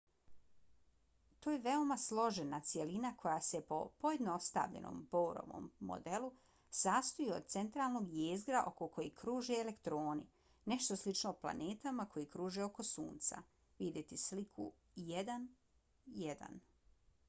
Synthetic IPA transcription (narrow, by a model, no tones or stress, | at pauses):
t̪oːjeʋe̞omaslˠo̞ʒenat̪sijelinakʰo̞jase̞po̞̰po̞je̞d̪noost̪a̰ʋʎḛnʔo̰mbowɾo̰ʋo̰ːmːo̰d̪e̞lu | saːst̪ojio̞d̪̚t̪se̞nt̪ɾaːlˠno̞ɡjeːzɡɾaʔo̞koko̞jikɾuːʒeːlekt̪ɾo̞ːnḭ | ne̞ʃt̪oslit͡ʃnoːpla̰neːt̪amako̞jikɾuːʒeo̞ko̞sṵːnt̪sa̰ | ʋid̪jet̪islikʰṵ | jed̪an | jed̪a̰n